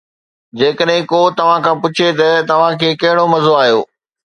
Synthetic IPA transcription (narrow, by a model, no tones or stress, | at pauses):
d͡ʑeːkəɗɦɪ̃kot̪ɐʋ̤ãkʰãːpʊt͡ɕʰet̪ɐt̪ɐʋ̤ãkʰeːkɐɦɪɽ̃omɐzoaːɦijo̰ː